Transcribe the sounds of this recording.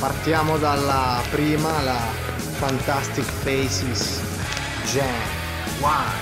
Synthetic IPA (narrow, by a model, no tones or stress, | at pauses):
part̪jaːmod̪alːapɾiːmala | fant̪ast̪ikfejsis | d͡ʒɛ | wa